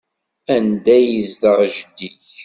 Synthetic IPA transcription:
ænd̪æjizðəʁʒəd̪iç

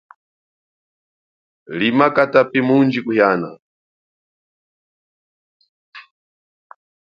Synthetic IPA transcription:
limakatapimund͡ʒikuhjaːna

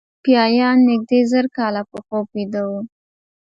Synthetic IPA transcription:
pjɑjɑnːɪɡ̚d̪ezəɾkɑlapəpoped̪awu

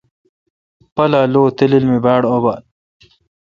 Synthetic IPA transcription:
pɐlaloːt̪ililmibaːɽoban

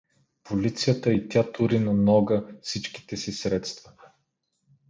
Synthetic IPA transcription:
pʰolit̪sijət̪əit̪ʲat̪uɾinɐnɔɡəfsit͡ʃki̥t̪ɛsisɾɛt̪st̪və̥

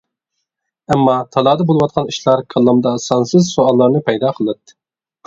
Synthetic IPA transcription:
ɛmːɑt̪ʰɑlˠɑːd̪ɑbolˠɨwɑt̪̚qʰɑniʃlˠɑɾkʰɑlˠːɑmd̪ɑsɑnsɨzsoɑlˠːɑɾnɨpʰɛjd̪ɑqʰəlˠɨt̪ːɨ̥

